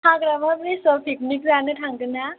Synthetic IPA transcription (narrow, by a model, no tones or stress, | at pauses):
ɦãɡɾamabɾisəpʰiknik̚d͡zaneʈʰãŋɡəna